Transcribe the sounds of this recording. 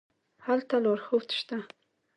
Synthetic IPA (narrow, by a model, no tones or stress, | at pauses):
halt̪ʰaloɾxəwt̪ʰʃt̪a